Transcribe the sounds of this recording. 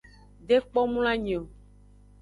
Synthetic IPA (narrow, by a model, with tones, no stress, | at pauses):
ɖe˦k͡pɔ˦mũ˦l̃a˦ɲẽ˨o˨